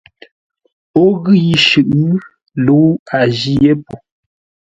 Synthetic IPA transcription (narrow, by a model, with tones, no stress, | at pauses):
o˦ɣɯ˦˨ji˨ʃʉ˨ʔ | lu˨˦a˨d͡ʒi˦je˦po˨